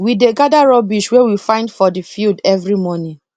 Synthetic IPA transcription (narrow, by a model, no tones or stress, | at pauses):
wideɡadaɹɔbiʃwɛwifãɪ̃ndfɔdifildɛvɹimɔnĩ